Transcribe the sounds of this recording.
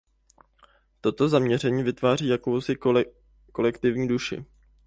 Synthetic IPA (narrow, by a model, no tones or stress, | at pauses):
t̪o̞t̪o̞zamɲɛr̝ɛɲiːvɪt̪vaːr̝iːjako̞wsɪ | ko̞lɛkt̪ɪvɲiːduʃɪ̰